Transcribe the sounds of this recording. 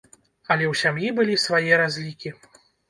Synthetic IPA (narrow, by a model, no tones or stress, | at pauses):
ɐlʲɛwsʲamjibɨlʲisvajɛɾazʲlʲikʲi